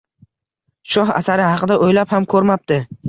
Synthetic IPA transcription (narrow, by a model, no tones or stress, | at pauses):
ʃɒɦa̰saɾɪhɑqʰɨd̪aʔojlaphamkʰɵɾmap̚t̪ɪ